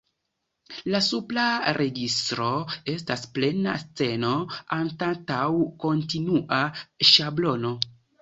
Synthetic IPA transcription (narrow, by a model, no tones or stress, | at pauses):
lasuplaɾʔe̞ɡistɾo̞e̞stasple̞na̰st͡se̞no̞antatawko̞ntinuʔaʃablo̞no̞